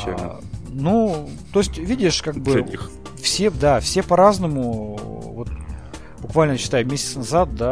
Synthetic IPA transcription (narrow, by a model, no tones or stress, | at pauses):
nu | t̪o̞ɪsʲtʲvʲidʲɪʂkaɡ̚bɨ | fsʲed̪afsʲe̞pɐɾaznəmʊvo̞t̪̚ | bʊkvalʲnət͡ɕɪ̥t̪ajʊmʲesʲɪ̥t̪snɐzat̪̚d̪a